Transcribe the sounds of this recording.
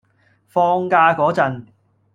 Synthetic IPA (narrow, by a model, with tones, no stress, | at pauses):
fɔː˧ŋkaː˧kɔː˨˥t͡sɐ˨˧n